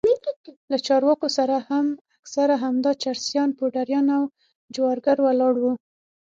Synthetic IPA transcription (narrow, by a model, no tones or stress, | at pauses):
miliklat͡ʃɑɾwɑkosaɾahamaksaɾaɦamd̪ɑt͡ʃaɾsjɑnpoɖaɾjɑnaw | d͡ʒwɑɾɡaɾwalɑɽwu